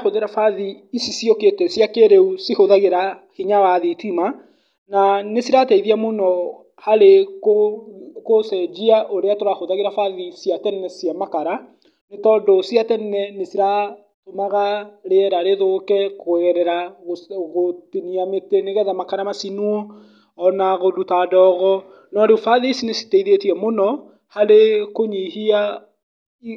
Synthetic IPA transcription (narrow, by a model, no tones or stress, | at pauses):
hoðeɾafaðiːsisioketɛsjakeɾeusihoðaɣeɾahiɲawaðitima | nanesiɾatɛiðiamonɔ | haɾek | kosɛd͡ʒiaʔoɾeatoɾahoðaɣeɾafaðisijatɛnnɛsjɛmakaɾa | netɔndosiatɛnnɛnesiɾa | tomaɣaɾeɛɾaɾeðokɛkoɣɛɾɛɾaɣoɣotiniameteneɣɛðamakaɾamasinuɔː | naɣodutadɔɣɔ | nɔɾefaðisinesi̥teiðetiɛmonɔ | haɾekoɲihia